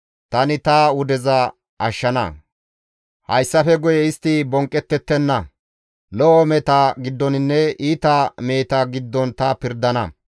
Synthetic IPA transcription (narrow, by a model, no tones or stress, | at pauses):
t̪ɐnɪt̪ɐʊd̪ɛzɐ | ʔɐʃːɐnɐ̰ | hɐjsːɐfɛɡʊjɛɪst̪ːɪbɔŋkʼːɛt̪ːɛt̪ːɛnːɐ | lɔʔɔmɛt̪aɡɪd̪ːɔnɪnːɛiːt̪ɐme̞ːt̪ɐɡɪd̪ːɔnt̪ɐpɪɾd̪ɐnɐ̰